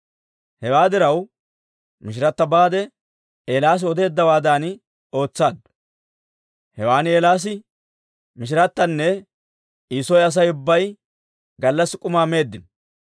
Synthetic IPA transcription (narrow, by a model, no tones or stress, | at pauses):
hɛwaːd̪ɪɾɐw | mɪʃ̬ɪɾɐt̪ːɐbaːd̪ɛ | eːlaːs̬ɪɔd̪e̞ːd̪ːɐwaːd̪aːn | o̞ːt͡sːaːd̪ | hɛwaːnɪeːlaːs̬ɪ | mɪʃ̬ɪɾɐt̪ːɐnːɛ | iːsɔjɐs̬ɐjʊbːɐj | ɡɐlːɐsɪkʼʊmaːme̞ːd̪ːɪn